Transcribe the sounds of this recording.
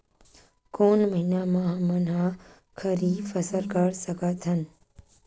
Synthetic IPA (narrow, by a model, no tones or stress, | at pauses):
koːnməɦinamãːmɐnãː | kʰɐɾiːfɐsəɾɡaːɽsɐɡʱaːt̪ʰən̆